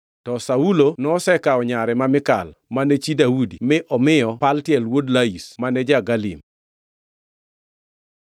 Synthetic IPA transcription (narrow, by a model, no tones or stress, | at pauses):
tɔsaulonɔɔsɛkaɔɲaɾɛmamɪkalmanɛt͡ʃidaudimɪʔɔmɪjɔpaltjɛlwodlaismanɛd͡ʒaɡalḭm